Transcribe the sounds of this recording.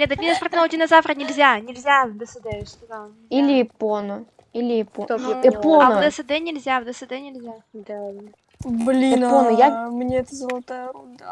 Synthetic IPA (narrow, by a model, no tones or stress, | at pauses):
lʲed̪ət̪̚ʲmʲid̪əsprt̪ʲnod̪ʲinɐzafɾənʲɪlʲzʲanʲɪlʲzʲad̪əsɨd̪ɛst̪od̪a | ilʲɪɪponʊ | ilʲɪɪpoɪponvd̪əsɨd̪ɛnʲɪlʲzʲavd̪əsɨd̪ɛnʲɪlʲzʲad̪ | blʲiɪponʊjamnʲeɛt̪əzəlˠɐt̪ajəɾod̪ə